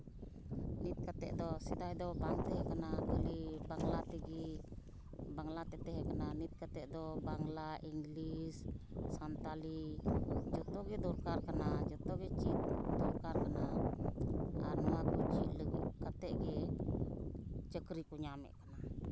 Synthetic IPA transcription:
nit̪̚kat̪ɛ̰ʔd̪ɔsid̪aid̪ɔbaŋt̪ɛɦɛkanakalibaŋlat̪ɛɡi | baŋlat̪ɛt̪ɛɦɛkananit̪̚kat̪ɛʔd̪ɔbaŋlaʔiŋɡlissant̪ali | d͡ʒɔt̪ɔɡɛd̪ɔrkarkanad͡ʒɔt̪ɔɡɛt͡ʃit̪̚d̪ɔɾkarkana | a̰nmakut͡ʃiʔləɡkat̪ɛʔɡɛ | t͡ʃəkɾikuɲamɛ̰ʔkana

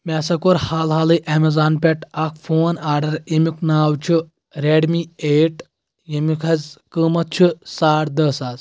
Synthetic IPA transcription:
mɛsɐkoɾhaːlɦaːlɨʔɛmezaːnpʲeʈakʰfoːnaːɾɖɐɾemiknaːwt͡ʃʰu | ɾeɖmieːʈ | jemikʰɐzkɨmɐt̪̚t͡ʃʰusaːɽd̪ɐsaːz

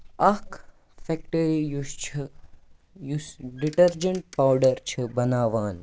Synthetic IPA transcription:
ɐk | fɛkʈɐɾijust͡ʃʰ | jusɖiʈɐɾd͡ʒɐɳʈ̚pawɖɐɾt͡ʃʰɨbɐnaːʋaːn

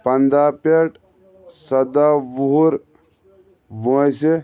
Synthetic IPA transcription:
pɐnd̪aːpeʈ | sɐd̪aʋuɾ | ʋojse

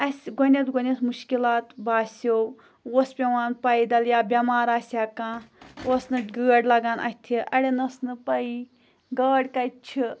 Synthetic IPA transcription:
ɐsʲɡɔnʲɐt̪ɡɔnʲɐt̪muʃkilaːt̪baːsow | oːspʲɐʋaːnpɐid̪ɐljaːbʲɐmaːɾaːsʲaːkãːosnɨɡɨːɖlɐɡaːnʔɐ̰t̪ʰiʔɐɽʲenɐsnɨpɐi | ɡɐːɽkɐt͡ʃʰi

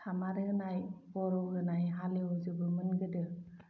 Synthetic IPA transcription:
tʰamaɾɯnajbɔɾɔɡɯnajɦaleɔzɯbɯmɯnɡɯdɯ

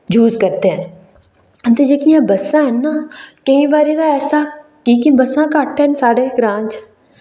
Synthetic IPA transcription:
d͡ʒʱuːzkɐɾt̪eɦɛn | ɐnt̪ed͡ʒeːkijãbɐsãɦɛnːakɐɦĩbaːɾid̪aɛːsakiːkibɐsãkaːʈʰːensaːɽeɡɾãːnt͡ʃ

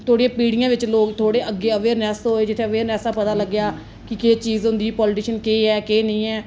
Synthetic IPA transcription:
t̪ʰoːɽijãːpiːɽɪjãːʋɪt͡ʃloːkt̪ʰoːɽeːʔəɡːeːəʋeːɾnɛːsɦoːeːd͡ʒɪt̪ʰːeːəʋeːɾnɛːsaːpət̪aːləɡɪjaː | kɪkeːt͡ʃiːzɦʊ̃nd̪iːpɔːlɪʈiːʃənkeːɛːkeːnəĩːɛː

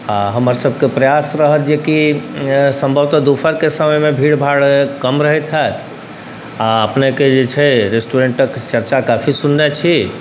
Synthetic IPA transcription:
aɦəməɾsəbʱkepɾəjasɾəɦət̪d͡ʒeki | səmbʱəbt̪əd̪upʰəɾkesəməjmebʱiɽbʱaɽkəmɾəɦɛt̪ʰɦat̪ʰ | aəpneked͡ʒet͡ʃʰɛɾesʈuɾeɳʈəkt͡ʃəɾt͡ʃakapʰisunːet͡ʃʰi

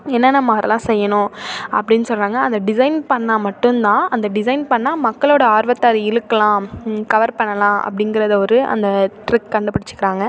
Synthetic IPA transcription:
ɛnːɐnɐmːɐɐɾɐlãːsɛjːɐnʊ̃ʔɐ̰pːɐɽɪnːɯsɔlɾaːŋɡɐːnd̪ɐɖɪsɐɪnpɐɳːamɐʈːɯnt̪ãːʔɐnd̪ɐɖɪsɐɪnpɐɳːaːmɐkːɐɭoːɽɐaːɾʋɐt̪ːaːɾɪɻɯkːɐlãːkɐʋɐɾpɐɳːɐlãːʔɐ̰pːɐɽɪŋɡɪɾɐðɐɔɾɯʔɐ̰nd̪ɐʈɾɪkːɐɳɖɯpːɐɽɪt͡ʃːɯ̥kːɪɾaːŋɡɐ

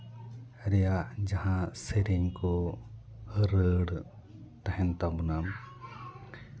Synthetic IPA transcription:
ɾɛjad͡ʒaɦãseɾiɲkɔ | ɾəɽ | t̪aɦɛnt̪abɔnam

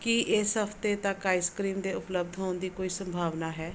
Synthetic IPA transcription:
kɪʔɪsɦəpʰt̪eːt̪ãːkaːɪskɾiːmd̪eːʊpləb̚d̪ʱɦoːnd̪iːkoːiːsəmbʱaːʋnaːɦɛː

